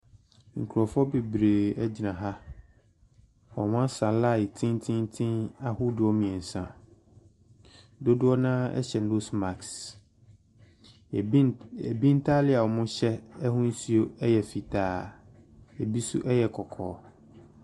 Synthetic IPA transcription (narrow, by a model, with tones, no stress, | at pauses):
ŋ̩˨kʰu˨ɾɔ˨fɔ˦be˨bɾe˨ɛ˦d͡ʑi˨nã˨ɦa˦ | ɔ˨mã˦n˦sã˨la˦˨tʰɪ̃˦n˦tʰɪ̃˦n˦tʰɪ̃˦na˦hʊ˦dʊ˨˦ɔ˦mĩ˨ɛ̃˨n̩˨sã̰˨ | do˦dʊ˦ɔ˦nã˦ɛ̰˦ɕɛ˨n˦o˦sma˨ks | ɛ˨bi˦n̩˦tʰa˦lɪ˦a˨wɔ˨mʊ̃˦ɕɛ˦ɛ˦hʊ̃˦n̩˦si˦o˦ɛ˦jɛ˨fi˨tʰaː˨ | e˨bi˦sʊ̰˦ʔɛ˦jɛ˨kʰɔ˨kʰɔ̰ː˨˦